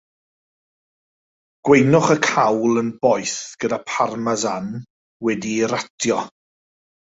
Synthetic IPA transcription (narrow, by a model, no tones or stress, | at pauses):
ɡ̥wejnʊχəkʰawlˠənbɔjθɡ̥ədapʰarmazan | wɛdiɾatʰjɔ